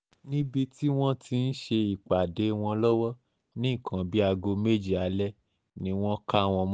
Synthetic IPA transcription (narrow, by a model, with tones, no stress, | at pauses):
nĩ˦bi˧ti˦w̃ɔ̃˦tʰi˧n̩˦ʃe˧i˨k͡pa˨de˨˦w̃ɔ̃˧lɔ˦wɔ˦ | nĩ˦i˦˨kʰã˨bi˦a˧ɡo˧me˦d͡ʒi˦˨a˨˦lɛ˦ | nĩ˨˦w̃ɔ̃˦ka˦˨w̃ɔ̃˧m̃˦